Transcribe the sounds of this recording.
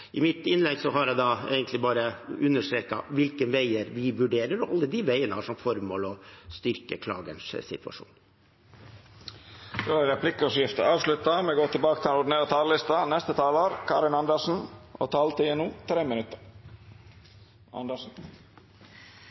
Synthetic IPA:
ɪmɪt̪ɪnlɛɡsɔɦɑɾjæd̪ɑḛːɡənt̪lɪbɑːɾəʉnːəʂt̪ɾeːkɑ̰ʋɪlkənʋæɪəɾʋɪʋʉɖeːɾəɾɔɑ̰lːəd̪ɪʋæɪənəhɑʂɔmfɔɾmoːlɔst̪ʏɾkəkʰlɑ̰ːɡənssɪ̰t̪ʋɑ̰ʂṵːn | d̪oæɾɛpʰlɪkɔsjɪft̪əɑːʋʂlʉt̪ːɑmɛɡoːt̪ɪlbɑːkət̪ɪlʊɖɪneːɾət̪ʰɑːləlɪst̪ɑnɛst̪ət̪ʰɑːloːɾkʰɑ̰ːɾɪnɑnd̪əʂn̩ʔɔ̰t̪ʰɑːlt̪ʰɪɛnuːt̪ʰɾeːmɪnʉt̪ːəɾ | ɑ̰nd̪əʂn̩

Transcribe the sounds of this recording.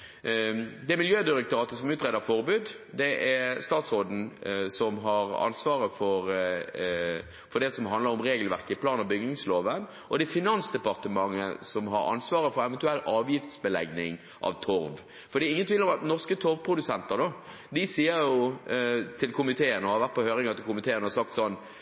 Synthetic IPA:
d̪ɛæɾmɪljøːd̪ɪɾək̚t̪ʊɾɑːt̪əsɔmʉːt̪ʁɛd̪əfɔɾbʉːd̪ | d̪ɛʔæɾst̪ɑːt̪sʁoːd̪n̩sɔmɦɑɾɑ̰nsʋɑːʁəfɔɾ | fɔɖ̪ɛsɔmɦɑnd̪əɾɔmʁeːɡəlʋæʁkəɪpʰlɑːnɑʋbʏɡnɪŋsloːʋən | ʔɔd̪ɛfɪnɑnsd̪ɛpɑʁt̪əmɑŋːəsɔmɦɑɾɑ̰nsʋɑːʁəfɔɾɛʋɛnt̪ʉɛlːʔɑːʋjɪft̪sbəlɛ̰ɡnɪŋ | ʔɑ̰ʋt̪ʰʊɾʋ | fɔɾd̪iːɪŋənt̪ʰʋiːləɾɔmɑt̪nɔʁskət̪ʰʊɾʋpʰɾʊd̪ʉsɛnt̪əʁd̪ɔ | d̪ɪsiːəɾjʊ | t̪ʰɪlkʰʊmɪt̪ʰeːənɔhɑɾʋæɾt̪̚pʰɔhøːɾɪŋɑt̪ɪlkʊmɪt̪ʰeːənɔhɑsɑk̚t̪sɔnː

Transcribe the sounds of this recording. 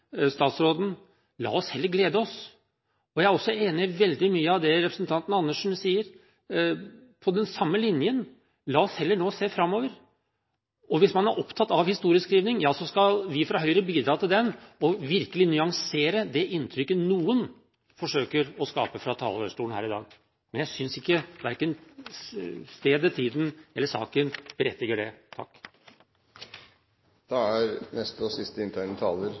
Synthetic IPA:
st̪ɑːt̪sɾoːd̪n̩ | lɑ̰ːɔshɛlːəɾɡleːd̪əɔs | ɔjæɪæɾɔsːɔeːnɪʋɛld̪ɪmyːəɑʋd̪ɛɾɛpɾəsənt̪ʰɑnt̪ən̩ɑnːəʂn̩siːəɾ | pʰɔd̪ɛnsɑmːəlɪnjən | lɑːɔshɛlːəɳoːseːfɾɑmːoːʋəɾ | ɔʋɪsmɑnæɾʔɔpt̪ʰɑt̪ːɑʋhɪst̪uːɾɪəskɾiːʋnɪŋjɑːsɔskɑlʋɪfɾɑɦœʏɾəbiːd̪ɾɑːt̪ʰɪld̪ɛnɔʋɪɾkəlɪnʏɑŋseːɾəd̪ɛʔɪnt̪ʰɾʏkːənuːən | fɔʂøːkəɾɔskɑ̰ːpəfɾɑt̪ʰɑ̰ːləə̰ʂʈuːənæ̰ːɾɪd̪ɑ̰ːɡ | mɛnjæɪsʏnsɪkːəʋæɾkən | st̪eːd̪ət̪ʰiːd̪n̩ɛlːəʂɑ̰ːkənb̥əɾɛt̪ːɪɡəɖɛt̪ʰɑ̰kː | d̪̥ɑːæɾnɛst̪əɔsɪst̪əɪnt̪ʰɑɪnət̪ʰɑːləɾ

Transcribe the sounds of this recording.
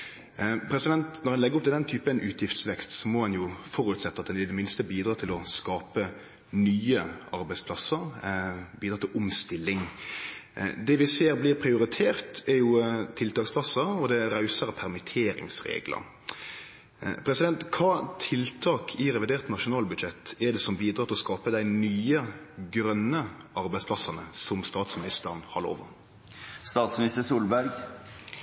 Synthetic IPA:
pʰɾɛsɪd̪ɛnt̪nɔʁhɛnlɛɡːəɔp̪̚ʰɪd̪ɛnt̪ʰyːpənʔʉːt̪ʰjɪft̪sʋɛkst̪sɔmɔhɛnjʊfɔɾʉt̪sɛt̪ːəɑt̪̚dɛnɪd̪ɛmɪnst̪əbiːd̪ɾɑːt̪ʰɪlɔskɑːpə | nyːəɑɾbæɪspʰlɑsəɾbiːd̪ɾɑːt̪ʰɪlʔʊmst̪ɪlːɪŋ | d̪ɛʋɪseːɾblɪʁpʰɾɪʊɾɪt̪ʰeːʁt̪ɛɾjʊt̪ʰɪlt̪ɑːkspʰlɑsːəɾɔd̪ɛɾɑʉsəɾəpʰæɾmɪt̪ʰeːɾɪ̰ŋsɾḛːɡlə̰ɾ | pʰɾɛsɪd̪ɛnt̪kʰɑːt̪ʰɪlt̪ʰɑːkʰɪɾɛʋɪd̪eːɾt̪nɑʂʊnɑːlbʉd̪ʃɛt̪ːɛɾɖ̪ɛsɔmbiːd̪ɾɑːt̪ɪlɔskɑːpəd̪æɪnyːə | ɡɾœnːə | ɑɾbæɪspʰlɑsɑnəsɔmst̪ɑːt̪smɪnɪst̪əʁnhɑlo̰ːʋə̰ɾ | st̪ɑːt̪smnɪst̪əsuːlbæɾɡ

